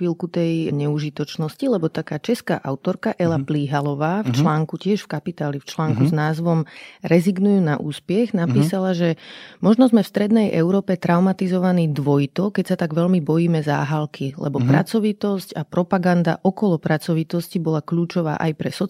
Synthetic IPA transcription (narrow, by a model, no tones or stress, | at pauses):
ilkut̪ɛjɲɛuʒit̪ɔt͡ʃnɔscilɛbɔt̪akaːt͡ʃɛska̰ːʔaʊt̪ɔɾkaʔɛlapliɦalɔʋaːft͡ʃlaːŋkucɪɛʃfkapit̪aːlift͡ʃlaːŋkuznaːzʋɔmɾɛziɡnujuːnaʔuːspjɛɣnapiːsalaʒɛmɔʒnɔzmɛfst̪ɾɛd̪nɛjʔɛʊɾɔːpɛt̪ɾaʊmat̪izɔʋaniːd̪ʋɔjt̪ɔkɛcsat̪aɡʋɛʎmibɔjiːmɛza̰ːɦalkʰilɛ̰bɔpɾa̰t͡sɔʋit̪ɔscapɾɔpaɡand̪a̰ʔɔkɔlɔpɾat͡sɔʋit̪ɔscibɔlakʎuːt͡ʃɔʋa̰ːʔajpɾɛsɔ